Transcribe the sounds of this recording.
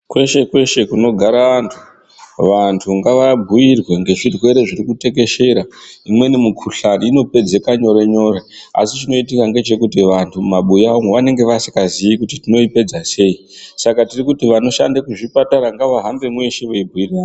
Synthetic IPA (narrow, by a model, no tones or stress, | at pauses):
kwe̞ʃe̞kwe̞ʃe̞kuno̞ɡʱaɾaʋantʰu | ʋantʰuŋɡaʋabʱujirwe̞ŋɡe̞ʐirwe̞ɾe̞ʐirikute̞ke̞ʃe̞ɾaimwe̞nimukʰuɬaniːno̞pe̞d͡ze̞kaɲo̞ɾeɲo̞rea̰sit͡ʃino̞it̬ikaŋɡe̞t͡ʃe̞kut̬iʋantʰumaɓujaoŋweʋane̞ŋɡe̞ʋasi̥kaziikutitino̞ipe̞d͡zase̞i | sakatirikutiʋano̞ʃa̰ndekuʐipataɾaŋɡaʋaɦambe̞mweʃeʋuibʱujiraːno